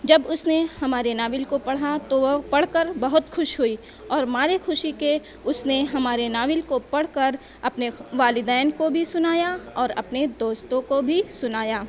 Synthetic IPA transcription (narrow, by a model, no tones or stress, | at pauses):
d͡ʒɐbʊsnehɐmaːɾenaːʋɪlkopɐɽ̤at̪oʋpɐɽ̤kəɾbɐɦʊt̪xʊʃɦʊiː | ɔːɾmaːɾexʊʃike | ʊsneɦɐmaːɾenaːʋɪlkopɐɽ̤kəɾ | ɐpneʋaːlɪd̪ɛːnkobʱisʊnaːjaɔːɾɐ̰pned̪oːst̪õkobʱisʊnaːjaː